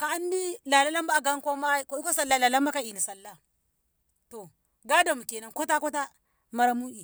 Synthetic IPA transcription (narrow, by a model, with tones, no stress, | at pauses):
ka˨a˦n˦di˦la˨la˦la˦mba˦˨ɡa˦ŋ˦ko˦ma˦ko˦i˦ko˦sa˦la˦˨la˨la˦ma˦ka˦i˨ni˨sa˨lːa˦ | to˨ | ɡa˦da˨mu˨ke˨na˨nko˦ta˦ko˦ta˦ | ma˦ɾa˦mu˦i˨